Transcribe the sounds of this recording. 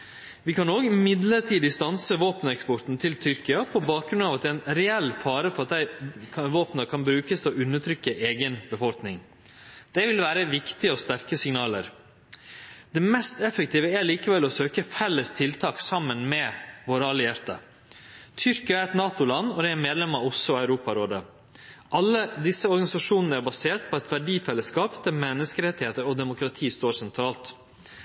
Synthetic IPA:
ʋɪkʰɑnoːɡmɪd̪ləʈʰiːd̪ɪst̪ɑnsəʋoːpənɛkspɔɾt̪n̩t̪ʰɪlt̪ʰʏɾkɪɑpʰɔbɑːk̚ɡɾʉnɑːʋɑt̪̚d̪ɛːɛɪnɾɛɛlːfɑːɾəfɔɾɑt̪̚d̪æɪʋoːpnəkʰɑnbɾʉːkəst̪ʰɔʉnːəʈ̪ʰɾʏkːəʔeːɡənbəfɔlknɪŋ | d̪̥ɛʋɪlʋæːɾəʋɪkt̪ɪəɔst̪æɾkəsɪŋnɑːlə̰ɾ | d̪̥ɛmɛst̪ɛfːək̚t̪iːʋəæɾliːkəʋɛlɔsøːkəfɛlːəst̪ʰɪlt̪ʰɑːksɑmːənmɛʋoːɾəɑlɪjæɾt̪ɑ̰ | t̪ʰʏɾkəɑɾɛt̪nɑːt̪ʊlɑnːɔd̪ɛæɾmeːd̪lɛmɑɔsɔœʉɾuːpɑɾoːd̪ə | ʔɑlːəd̪ɪsːəɔɾɡɑnɪsɑʂuːnənəæɾbɑseːɾʈ̪̚pʰɔɛt̪ʋæɖiːfɛlːəskɑːpd̪æɾmɛnːəskəɾɛt̪ːɪheːt̪əɾɔd̪ɛmʊkɾɑt̪ʰiːst̪oːɾʂsɛnt̪ʰɾɑːlt̪

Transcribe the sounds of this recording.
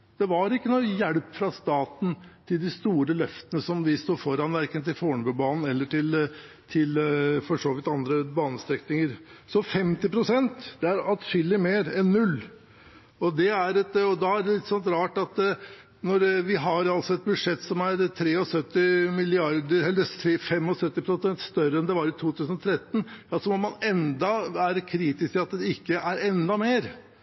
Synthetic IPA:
d̪̥ɛʋɑɾɪkːənuːjæɽpfɾɑst̪ɑːt̪n̩t̪ʰɪld̪ɪst̪uːɾəlœft̪ənəsɔmʋɪst̪uːfɔɾɑnʋæɾkənt̪ɪlfoːɳbʉbɑːnn̩ɛlːəʈɪl | t̪ʰɪlfɔʂoːʋɪt̪ɑnd̪ɾəbɑːnəst̪ɾɛknɪŋəɾsɔfɛmt̪ɪpʰɾʊsɛnt̪d̪ɛæɾɑlt̪ʂʏlːɪmeːɾɛnːʉlː | ɔd̪ɛæɾɛt̪ɔd̪ɑæɖɛlɪt̪ːsɔnt̪ɾɑːʈɑt̪ | nɔɾʋɪɦɑɾɑlsɔɛt̪̚bʉd̪ʂɛt̪ːsɔmæɾt̪ʰɾeːɔsœt̪ːɪmɪlɪɑɾd̪əɾɛlːət̪ʰɾeːfɛmːɔsœt̪ːɪpʰɾʊsɛnt̪st̪œɾəɛnd̪ɛʋɑɾɪt̪ʰuːt̪ʰʉːsənɔt̪ʰɾɛt̪ːn̩ɑsɔmɔmɑnɛnd̪ɑʋæːɾəkʰɾiːt̪ɪskɪɑt̪d̪ɛɪkːəʔæɾɛnd̪ɑmeːɾ

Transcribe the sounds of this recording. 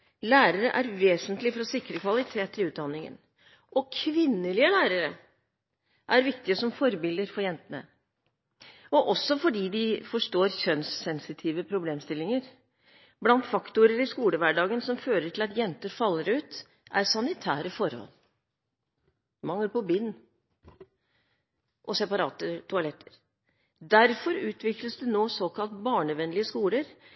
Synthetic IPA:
læːɾəɾəʔæɾʋeːsənt̪lɪfɔɾɔsɪkɾəkʰʋɑlɪt̪ʰeːt̪ʰːɪlʉːt̪̚d̪ɑnːɪŋə̰n | ʔɔkʰʋɪnːəlɪəlæːɾəɾə | ʔæɾʋɪkt̪ɪəsɔmfɔɾbɪld̪əɾfɔɾjɛnt̪ənə̰ | ɔʔɔsːɔfɔɖiːd̪ɪfɔʂʈoːɾçœnsːɛnsɪt̪ʰiːʋəpʰɾʊbleːmst̪ɪlːɪŋəɾ | blɑnt̪fɑkt̪ʊɾəɾɪskuːləʋæɖɑːɡənsɔmføːɾəʈʰɪlɑt̪jɛnt̪əɾfɑlːəɾʉːt̪ | ʔæɾsɑnɪt̪ʰæːɾəfɔɾhɔ̰l | mɑŋːəɾpɔbɪnː | ʔɔsɛpɑɾɑ̰ːt̪ət̪ʰʊɑlɛt̪ʰːə̥ɾ | d̪æɾfɔɾʉːt̪ʰʋɪkləsd̪ɛnoːsoːkʰɑlt̪bɑːɳəʋɛnlɪəskuːləɾ

